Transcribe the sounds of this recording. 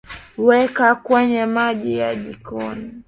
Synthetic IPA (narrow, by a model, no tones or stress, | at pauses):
wɛkakwaɲɛmaʄijaʄikɔni